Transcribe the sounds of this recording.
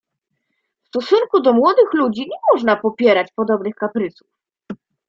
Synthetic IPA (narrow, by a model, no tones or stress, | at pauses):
fst̪ɔsunkud̪ɔmwɔd̪ɘxlud͡ʑiɲɛmɔʐnapɔpʲjɛɾat͡ɕpɔd̪ɔbnɘxkapɾɘsu̥f